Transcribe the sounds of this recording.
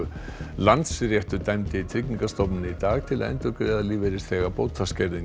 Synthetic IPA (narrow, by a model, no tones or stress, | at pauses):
lant̪srjɛht̪ʏɾt̪ajmt̪ɪit̪ʰɾicniŋkast̪ɔp̬nɪnɪit̪aːɣt̪ʰɪla̰ðɛ̰nt̪ʏɾkɾɛːðaliːvɛɾɪst̪θɛːɣapowt̪ʰascɛɾðɪŋ